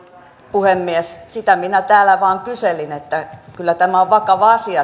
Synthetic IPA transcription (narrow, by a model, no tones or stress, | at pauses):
puhemːiessit̪æminæt̪æːlæʋɑːŋkyselinet̪ːækylːæt̪æmæoʋʋɑkɑʋɑɑsiɑ